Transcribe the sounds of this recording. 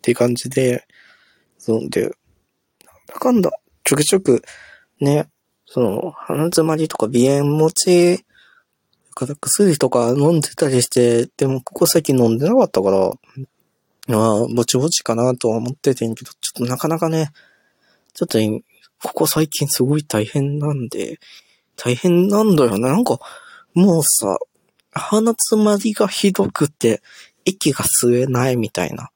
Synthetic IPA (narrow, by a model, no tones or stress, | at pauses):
t̪ːekãɲ̟d͡ʑid̪e̞ | zõnd̪ḛ | nanakãnd̪a̰ | t͡ɕokɯ̟t͡ɕokɯ̟ | ne̞ | so̞no̞̰hanat͡sɨmaɾʲit̪o̞̥kabʲiẽmːo̞t͡ɕi | akaɾakɯ̥sɨɾʲit̪o̞kanõ̞nd̪e̞̥t̪aɾʲiɕi̥t̪e̞d̪̥e̞mo̞ko̞kosaikʲĩnːõnd̪e̞nakat̪ːakaɾa̰ | mabo̞t͡ɕibo̞t͡ɕi̥kanat̪o̞ːmo̞t̪ːe̞t̪ẽ̞ŋke̞d̪̥o̞t͡ɕo̞̥t̪ːonakanakane̞ | t͡ɕo̞t̪ːoĩ | kʰo̞̥kosaikʲĩɰ̃sɨɡo̞it̪aihẽ̞nːãnd̪e̞̰ | t̪ʰaihẽ̞nːãnd̪ajo̞ne̞nãŋkɑ | moːsa̰ː | hanat͡sɨmaɾʲiɡaçid̪o̞kɯ̟t̪ːe̞ | ekʲiɡasɨɾe̞naimʲit̪a̰ḭna̰